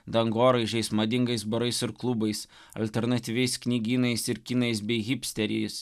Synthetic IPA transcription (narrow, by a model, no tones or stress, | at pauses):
d̪ɐŋɡoːɾɐɪʒʲɛɪsmɐd̪ʲɪŋɡɐɪsbɐɾɐɪsɪɾklˠʊbɐɪs | ɐ̰lʲt̪ʲɛɾnɐt̪ʲiːʋʲɛɪsknʲiːɡʲiːnɐɪsɪɾkʲiːnɐɪsbʲɛɪɣʲɪpʲsʲt̪ʲɛɾʲɛɪs